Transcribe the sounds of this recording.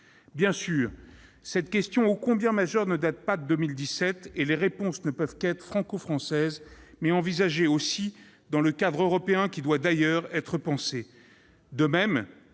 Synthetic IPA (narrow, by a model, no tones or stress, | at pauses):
bjɛ̃syːʁsɛt̪kʲɛst̪jɔ̃okɔ̃bjɛ̃maʒœʁnəd̪at̪̚pad̪əd̪əmild̪isɛt̪eleʁepɔ̃snəpœvkɛt̪χə̥fχɑ̃kofχɑ̃sɛzmɛɑ̃vizaʒeosi | d̪ɑ̃ləkad̪ʁøʁɔpeɛ̃kʲid̪wad̪ajœʁɛt̪χəpɑ̃se | d̪əmɛm